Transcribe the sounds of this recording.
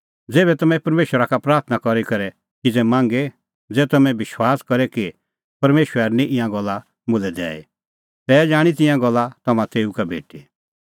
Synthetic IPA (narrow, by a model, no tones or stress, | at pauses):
d͡zeːbɛt̪ɐmɛ̃pɐɾmeːʃwəɾakapɾaːɾt̪ʰnakɔɾikɐɾɛ | kid͡zɛmãːŋɡe | d͡zɛːt̪ɐmɛ̃bɪʃwaːskɐɾɛki | pɐɾmeːʃwəɛɾnĩʔɪ̃jãɡɔlːa | mʊlɛd̪ɛ̰ːḭ | t̪ɛːd͡ʒaːɽ̃it̪̬ɪ̃jãɡɔlːat̪ɐmãt̪eːukabʱḛːʈi